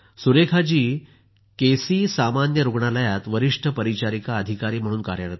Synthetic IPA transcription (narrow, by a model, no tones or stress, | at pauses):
suɾekʰad͡ʑiː | kesiːsamanjəɾuɡɳaləjat̪ʋəɾiʂʈʰəpəɾit͡ɕaɾikaəd̪ʱikaɾiːm̤əɽ̃uːnkaɾjəɾət̪a